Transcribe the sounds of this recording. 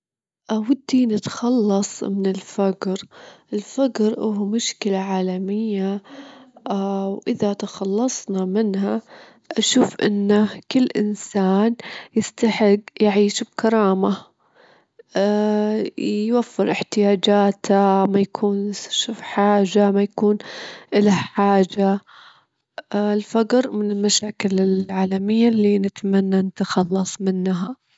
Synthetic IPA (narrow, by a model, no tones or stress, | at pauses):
ʔawad̪ːinɪt̪xɑlːɑsˤmɪnɪlfaɡɾʔɪlfaɡɾʔʊhmʊʃkɪlaʕaːlamɪjːa | wʔɪðat̪axɑlːɑsˤnɑmɪnha | ʔaʃuːfʔɪ̰nːakɪlːʔɪ̰nsaːnjɪst̪aħɪɡjaʕiːʃb̚kɑɾˤɑːma | jwafːɪɾʔɪħt̪ɪjaːd͡ʒaːt̪ʰamajakʰuːnʃufħaːd͡ʒamajakuːnʔɪlaħaːd͡ʒa | lfaɡɾmɪnɪlmaʃaːkɪlɪlʕaːlamɪjːalːinɪt̪manːanat̪axɑlːɑsˤmɪnːɦa